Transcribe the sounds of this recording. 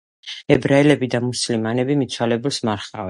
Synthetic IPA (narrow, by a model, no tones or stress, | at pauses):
ɛbɾaɛlɛbid̪amuslimanɛbimit̪t͡ʃʰalɛbulˠsmaɾχa̰vɛn